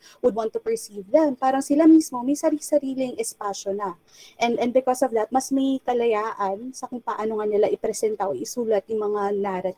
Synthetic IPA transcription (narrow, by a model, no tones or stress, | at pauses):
wʊd̪̚wãnt̪ːupɛɹsiːvd̪ɛmpaːɾɐŋsɪlamismo̞mɐjsɐɾisɐɾiːlɪŋʔɛspaʃonɐ | ʔɛnd̪ʔɛ̃nbɪkosɔvd̪ɐt̪̚mɐsmɐjkɐlɐjaːʔɐnsɐkʊŋpaʔɐnoŋɐnɐlɐʔɪpɾɛsɛnt̪ɐʔʔɪsuːlɐt̪̚jʊŋmɐŋanaːɾɐ